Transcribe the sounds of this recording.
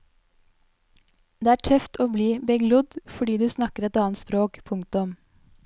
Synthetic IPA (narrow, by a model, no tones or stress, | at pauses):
d̪eːæːʈʰœft̪oːbliːbɛɡlʊd̪fɔɖiːd̪ʉːsnɑkəɾɛt̪ɑːnt̪spɾoːkpʰʊŋ̚t̪ʊm